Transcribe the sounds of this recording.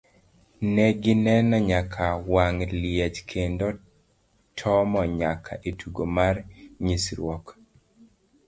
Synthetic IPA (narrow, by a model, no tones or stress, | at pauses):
nɛɡɪnɛnɔɲakʰawaŋljɛt͡ʃkʰendo | tʰɔmɔɲakʰa̰ʔetʰuɡomarɲisɾwɔk